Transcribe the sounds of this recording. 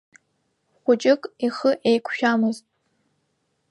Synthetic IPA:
χʷʊt͡ʃʼɪkʼiχəʔejkʷʰʃᶣamɨztʼ

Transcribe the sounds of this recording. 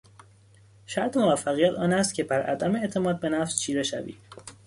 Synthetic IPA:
ʃæɾt̪ʰemovæfːæɣijæt̪ʰɒːnæst̪̚cʰe̞bæɾʔæ̰d̪æmeeʔt̪ʰe̞mɒːd̪̚be̞næfst͡ʃʰiːɾeʃæ̰vḭː

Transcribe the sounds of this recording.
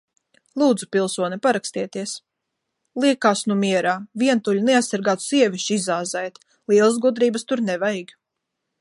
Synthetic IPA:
lˠuːd̪zupilˠsuɔnʲipaɾakst̪iɛt̪iɛs | lˠiɛkaːsnumiɛɾaːviɛnt̪ulʲunɛasaɾɡaːt̪u̥siɛvʲiʃizaːzɛjt̪ | lˠiɛlˠs̬ɡud̪ɾiːbəst̪uɾnɛvajɡ

